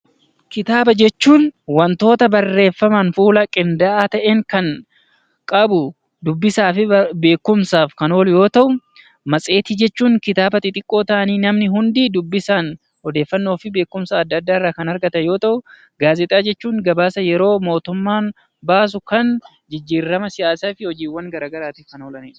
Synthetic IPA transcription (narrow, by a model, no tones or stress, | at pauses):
kɪt̪aːbɐd͡ʒɛt͡ʃːuːnwɐnt̪o̞ːt̪ɐbɐrːe̞ːfːɐmɐnfuːlɐkʼɪnd̪ɐʔaːt̪ɐʔeːŋkɐn | kʼɐbʊ | d̪ʊbːɪsaːfɪbe̞ːkːʊmsaːfkɐno̞ːljo̞ːt̪ɐʔʊ | mɐsʼe̞ːt̪ɪd͡ʒɛt͡ʃːuːŋkɪt̪aːbɐt̪ɪt̪ʼɪkʼːo̞ːt̪ɐʔɐniːnɐmnɪɦʊnd̪id̪ʊbːɪsaːn | hɔd̪e̞ːfːɐnːo̞ːfɪbe̞ːkːʊmsɐːd̪ːɐd̪ːaːɪrːaːkɐnɐɾɡɐt̪ɐjo̞ːt̪ɐʔʊ | ɡaːzɛt̪ʼaːd͡ʒɛt͡ʃːuːŋɡɐbaːsɐjɛɾo̞ːmo̞ːt̪ʊmːaːn | baːs̬ʊkɐn | d͡ʒɪd͡ʒːiːrːɐmɐsɪjaːsaːfɪhɔd͡ʒiːwːɐŋɡɐɾaːɡɐɾaːt̪iːfkɐnoːlɐnḛ